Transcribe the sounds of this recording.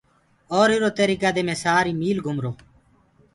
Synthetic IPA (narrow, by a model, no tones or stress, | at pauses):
ɔːɾɪɾoːt̪eːɾiːɡəd̪eːmẽːsaːɾiːmiːlɡʱʊmɾoː